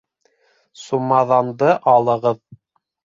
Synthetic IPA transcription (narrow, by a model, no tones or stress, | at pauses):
sumɑðɑnd̪ɤʔɑlˠɤ̆ʁɤð